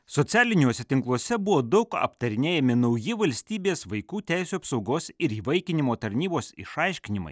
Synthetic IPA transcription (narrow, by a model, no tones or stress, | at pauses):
sɔt̪sʲæːlʲɪnʲoːsʲɛt̪ʲɪŋklˠuɔsʲɛbʊʋoːd̪ɒʊkɐ̰pt̪ɐɾʲɪnʲeːjɛmʲɪnɐʊjɪʋɐlʲsʲt̪ʲiːbʲeːsʋɐɪkuːt̪ʲæˑɪsʲuɐpsɒʊɡoːsɪɾiːʋɐɪkʲɪnʲɪmoːt̪ɐɾʲnʲiːboːsɪ̰ʃɑɪʃʲkʲɪnʲɪmɐ̰ɪ